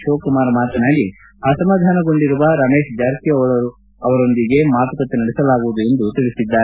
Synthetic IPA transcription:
ʃoːkumaːɾɐmaːt̪ɐnaːɡi | aːsɐmaːd̪ʱaːnɐɡo̞ɳɖiɾuʋɐɾɐme̞ːʃd͡ʒaːɾt̪ijɐ | ɐʋɐɾo̞nd̪iɡe̞maːt̪ukɐt̪ːenɐɽɛsɐlaːɡuʋud̪ue̞nd̪ut̪iɭisid̪ːaːɾe

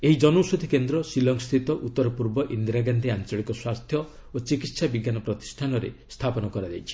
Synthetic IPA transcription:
eɦid͡ʒɔnusod̪ʱikend̪ɾɔsilɔŋst̪ʰit̪ɔʔut̪ːɔɾɔpuɾbɔʔind̪ɾaɡand̪ʱiant͡ʃɔɭikɔswast̪ʰjɔ | ot͡ʃikit̪sabiɡjanɔpɾɔt̪i̥sʈʰanɔɾḛst̪ʰapɔnɔkɔɾad͡ʒajt͡ʃʰi̥

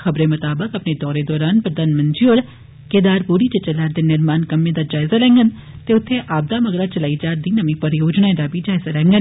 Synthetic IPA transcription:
xəbɾeːmət̪aːbəkəpneːd̪ɔːɾeːd̪ɔːɾaːnpɾəd̪aːnmənd͡ʒioːɾ | keːd̪aːɾpuːɾiːt͡ʃət͡ʃəlaːɾd̪eːnɪɾmaːnkəmːẽːd̪aːd͡ʒaːɪzaːlɛ̃ːŋɡən | t̪eːʊt̪ʰːeːʔaːb̚d̪aːməɡɾaːt͡ʃəlaːiːd͡ʒaːɾd̪iːnəmĩːpəɾjoːd͡ʒnaːẽd̪aːbʱiːd͡ʒaːɪzaːlɛ̃ːŋɡən

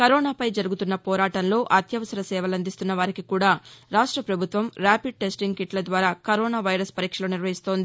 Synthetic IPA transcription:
kɐɾɔːnaːpɐjd͡ʒɐɾuɡut̪unːɐpɔːɾaːʈɐnlo̞ːʔɐt̪jɐʋɐsɐɾɐsɛːʋɐlɐnd̪ist̪unːɐʋaːɾikikuːɽaːɾaːʂʈɾɐpɾɐbʱut̪ʋɐmɾaːpiɖ̚ʈe̞sʈiŋɡkiʈlɐd̪ʋaːɾaːkɐɾoːnaːʋɐjɾɐspɐɾiːkʂɐlo̞ːniɾʋɐɦist̪o̞ːnd̪i

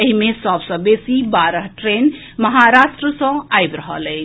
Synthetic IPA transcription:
əɦimesəbsə̃besibaɾəɦʈɾen | məɦaɾasʈɾəsə̃ajbɾəɦə̰ləjt͡ʃʰ

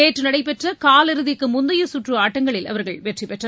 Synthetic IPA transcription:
eːʈrɯnɐɽɐɪpɛʈrɐkaːlɪɾɯðɪkːɯmʊnd̪ɐjɐsʊʈrɯaːʈːɐŋɡɐɭɪlɐ̰ʋɐɾɣɐɭʋeːʈripɛʈrɐ

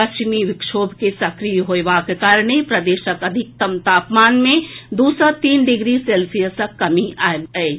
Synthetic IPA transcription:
ɐt͡ʃmiʋɪkʃoːbʱkesɐkɾijɦoeʋakekaːɾɽ̃epɾɐd̪eːʃəkɐd̪ʱɪk̚t̪ɐmt̪aːpmaːnmẽd̪uːsət̪iːnɖɪɡɾiseːlsijəsəkːɐmiaːee

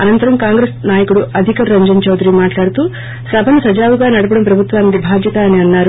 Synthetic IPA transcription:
ɐnɐnt̪ɐɾɐmkaːŋɡɾeːsnaːjɐkuɽuʔɐd̪ʱikɐɾɐɲd͡ʒɐnt͡ʃɐwd̪ɾimaːʈlaːɽut̪uː | sɐbʱɐnusɐd͡ʒaːʋuɡaːnɐɽɐpɐɽɐmpɾɐbʱut̪ʋaːnid̪ibʱaːd̪ʱjɐt̪aɐniɐnːaːɾu

